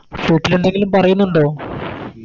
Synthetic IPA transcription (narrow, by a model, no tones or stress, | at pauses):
foːʈːiluɳɖeŋɡilumpɐrɐjunːuɳɖoː